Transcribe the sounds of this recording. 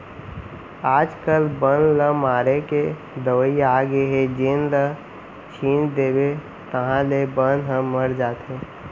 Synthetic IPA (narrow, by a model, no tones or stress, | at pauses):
aːd͡ʒkəlbənləmaːɾeke | d̪əwəiaːɡeɦed͡ʒenlə | t͡ʃʰiːnd̪eːbe | t̪əɦãlebənɦəmːəɾd͡ʒaːt̪ɦẽː